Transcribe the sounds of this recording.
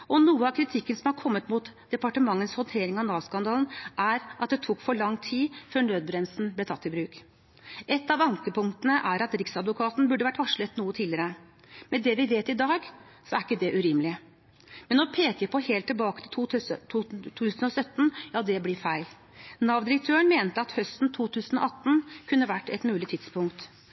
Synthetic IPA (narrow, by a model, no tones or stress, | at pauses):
ɔnuːəɑʋkʰɾɪt̪ʰɪkːənsɔmhɑɾkʰɔmːət̪muːt̪d̪̥ɛpɑʈəmɑŋːənshɔnt̪ʰeːɾɪŋɑʋnɑːʋskɑnd̪ɑːlnʔæɾʔɑt̪̚d̪ɛt̪ʰuːkfɔɭɑŋːt̪ʰiːføːɳøːd̪̚bɾɛnsn̩blɛt̪ʰɑt̪ːɪbɾʉːk | ʔɛt̪ːɑʋɑŋkəpʊŋt̪ənəʔæɾɑt̪ɾɪksɑd̪ʋʊkʰɑːt̪n̩bʉɖəʋæʈːʋɑʂɭət̪nuːət̪ʰiːlɪəɾə | mɛd̪ɛʋɪʋeːt̪ɪd̪ɑːɡ | sɔæɾɪkːəd̪ɛʔʉɾiːmlɪ | mɛnɔpʰeːkəpʰɔheːlt̪ʰːɪlbɑːkə̥t̪ʰɪl | ʉːsən̩ɔsœt̪ːn̩jɑːd̪ɛblɪɾfæɪl | nɑʋd̪ɪɾək̚t̪ʰøːəɳmeːnt̪əɑt̪hœst̪n̩t̪ʰuːt̪ʰʉːsən̩ɔ̰ʔɑt̪ːnkʰʉnːəʋæʈːɛ̰t̪mʉːlɪt̪ʰɪd̪spʰʊŋk̚t̪